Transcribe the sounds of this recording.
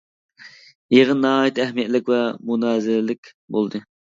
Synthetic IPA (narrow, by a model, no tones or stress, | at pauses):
jeʁənnːɑɦɑːjit̪ʰɛhmijɛt̪lɪkʲvɛmunɑːzɪlɪlɪkʲ | bolˠd̪ɨ